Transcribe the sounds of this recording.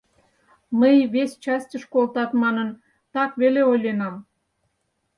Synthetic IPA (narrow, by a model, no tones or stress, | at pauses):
məjβest͡ɕɑsʲtʲəʃkolt̪ɑt̪mɑnən | t̪ɑkβeleojlenɑ